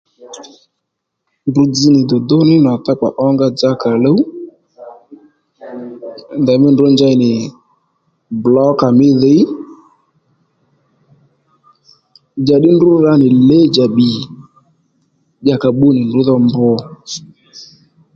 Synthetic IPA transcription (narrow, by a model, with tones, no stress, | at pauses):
ndu˨d͡zi˧nɪ˨dɔ˨d̪ɔ˦nɪ˦na˨ta˦k͡pa̰˨ʔɔ˦ŋɡa˦d͡za˦ka˨lə˦u˦˨ | nda˨mɪ˦ndnd͡ʒa˧jnɪ˨ | blɔ˨˦ka˨mɪ˦ðe˨˦ | d͡ʒa˨ɗɪ˦ndu˦ɾa˧˦nɪ˨le˦d͡ʒa˨ɓi˨ | ʄa˨ka˨ɓu˦nɪ˨ndʊ˨˦ðɔ˧mbɔ˧